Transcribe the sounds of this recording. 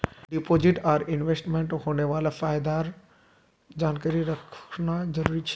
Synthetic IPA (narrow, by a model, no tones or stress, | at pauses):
ɖipoːd͡ʒɪʈaːɾɪnʋesʈmẽɳʈhoːneʋaːlafaːjd̪aːɾ | d͡ʒaːnkaɾiɾɐkʰnad͡ʒɐɾuːɾit͡ʃʰ